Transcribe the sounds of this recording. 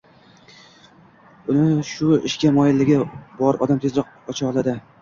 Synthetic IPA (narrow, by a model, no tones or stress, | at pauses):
ʊnɪʃʊɪ̰ʃkʲamɒjɪlːɪɡʲɪbɒɾɒ̰d̪amt̪ʰezɾɒq̚ | ɒt͡ʃʰɑlˠad̪ɪ